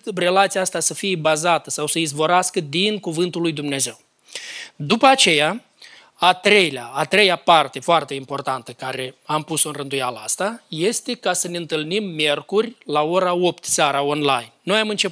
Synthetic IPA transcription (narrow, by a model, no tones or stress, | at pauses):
re̞lat̪sijaast̪asəfijebazat̪əsawsəizvo̞ɾaskəd̪inkuvɨnt̪ulːujd̪umne̞ze̞w | d̪upəat͡ʃe̞ja | at̪ɾe̞jleaːt̪ɾe̞japart̪e̞foart̪e̞impo̞rt̪ant̪əkaɾe̞ampuso̞ɨnrɨnd̪ujalaa̰st̪aje̞st̪e̞kasəne̞ɨnt̪ɨlnimːʲje̞rkurʲlao̞ɾao̞pt̪saɾao̞nlajnːo̞jamɨnt͡ʃe̞